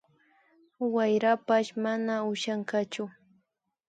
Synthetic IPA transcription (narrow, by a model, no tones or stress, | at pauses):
wajɾapaʃmanaʊʃaɴkat͡ʃʊ